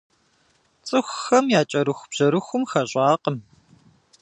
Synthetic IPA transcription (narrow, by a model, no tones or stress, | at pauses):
t͡sʼɨxʷxɐmjaːt͡ʃʼɐɾɨxʷb̥ʑ̥ɐɾɨxʷʊmxɐɕʼɑːqəm